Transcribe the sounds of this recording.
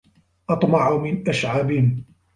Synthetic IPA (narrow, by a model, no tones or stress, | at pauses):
ʔɑt̪ˤmɑʕumɪnʔaʃʕaːbɪhɪm